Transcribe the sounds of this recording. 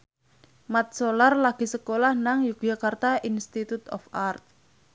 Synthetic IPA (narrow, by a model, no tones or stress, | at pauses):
mat̪̚solarlaɡ̥i̤səkolahnaŋjuk̚d͡ʒakart̪aʔinst̪it̪ut̪ɔ̰fart̪̚